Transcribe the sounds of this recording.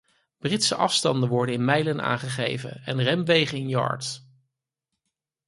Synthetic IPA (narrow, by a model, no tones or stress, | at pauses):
b̥rɪtsəʔɑfstɑndəʋɔɹdənɪnmɛjləna̰ːŋχəχḛjvə̰nɛ̰nrɛmʋejχənɪnjɑ̰ːɹt